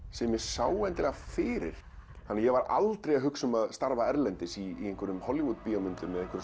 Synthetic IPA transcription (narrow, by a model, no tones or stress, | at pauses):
sɛmːjɛsaːwɛnt̪ɪlɛɣafɪːɾɪ̰ɾ̥ | hanːɪjɛɣvaɾa̰lt̪ɾejaɦʏksʏmaðst̪aɾvaɛɾlɛnt̪ɪsieŋkvʏɾʏmhɔljɪvut̪pijɔmʏnt̪ʏmːɛðẽŋkvʏɾ